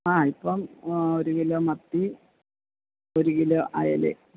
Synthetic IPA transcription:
aːipːɐmoɾuɣilomɐt̪ːi | oɾuɣiloʔɐ̰jɐ̰lḛ

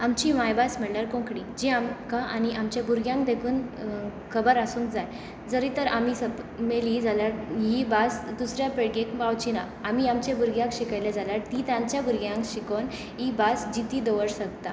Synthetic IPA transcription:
amt͡ɕimajbasmɛɭlaɾkõŋkɽid͡ʑiamkaʔañiʔamt͡ɕjabʱuɾɡjãŋk̚d̪ekʰuːnkʰəbəɾasũːŋkd͡zaj | d͡zəɾit̪əɾamisəp | melid͡zaljaɾɦibasd̪usɾjapeɽɡekbawt͡ɕina | am̤iamt͡ɕabʱuɾɡjãkɕikajled͡zaljaɽt̪it̪jãɲt͡ɕjabʱuɾɡjãŋkɕikon | ɦibasd͡ʑit̪iːd̪əʋəɽsəɡt̪a̰

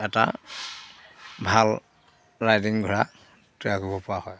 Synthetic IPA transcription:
ɛta̰ | bʱal | ɹajdiŋɡʱɔɹa | tujakubɔpʊahɔj

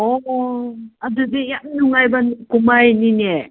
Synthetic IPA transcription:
ɔ | adɯdejamnuŋajbankumajnine

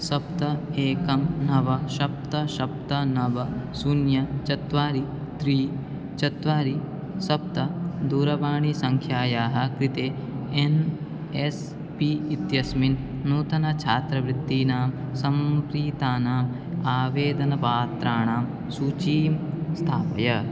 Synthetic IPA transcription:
sɐpt̪ɐeːkɐmnɐʋɐʃɐp̚t̪ɐʃɐp̚t̪ɐnɐʋɐsunjɐt͡ʃɐt̪ʋaːɾi | t̪ɾiː | t͡ʃɐt̪ʋaːɾi | sɐp̚t̪ɐd̪uːɾɐʋaːɳisɐŋkʰjaːjaːɦɐ̆kɾit̪eː | en | es | piːt̪jɐsmin | nuːt̪ɐnɐt͡ʃʰaːt̪ɾɐʋɾɪt̪ːiːnaːmsɐmkɾiːt̪aːnaːm | aːʋeːd̪ɐnɐpaːt̪ɾaːɳaːm | suːt͡ʃiːmst̪ʰaːpɐjɐ

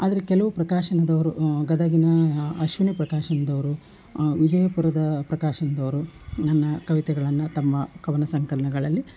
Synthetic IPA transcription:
aːd̪ɐɾekɛlɐʋupɾɐkaːʃɐnɐd̪ɐʋɐɾuɡɐd̪ɐɡinɐɐʃʋɐnipɾɐkaːʃɐnɐd̪ɐʋɐɾu | ʋid͡ʒɐjɐpuɾɐd̪ɐpɾɐkaːʃɐnɐd̪ɐʋɐɾunɐnːɐkɐʋit̪ɛɡɐɭɐnːɐt̪ɐmːɐkɐʋɐnɐsɐŋkɐlɐnɐɡɐɭɐlːi

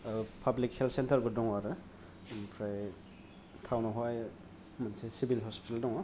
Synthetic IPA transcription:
pʰablik̚heltʰsentɐɾbɔdɔŋaɾɯ | pʰɾaj | tʰawnɔɦɔj | mansesibilɦɔspitaldɔŋɔ

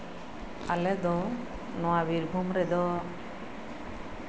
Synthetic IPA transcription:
alɛd̪ɔ | nɔwabiɾbʱumɾɛd̪ɔ

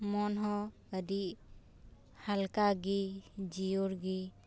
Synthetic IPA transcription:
mɔnɦɔ̃ | ədiʔ | halkaɡid͡ʒiuɾɡi

